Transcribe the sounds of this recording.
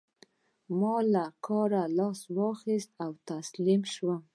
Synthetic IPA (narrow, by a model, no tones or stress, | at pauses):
mɑlakʰɑɾalɑswɑxist̪awt̪aslimʃwa